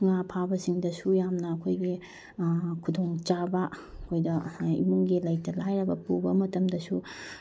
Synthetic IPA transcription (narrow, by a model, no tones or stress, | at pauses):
ŋapʰabɐsiŋdɐsujamnɐːkʰojɡi | kʰudoŋt͡ʃabɐkʰojdɐḭmuŋɡilɐjtɐlajɾɐbɐpubɐmɐtɐmdɐsu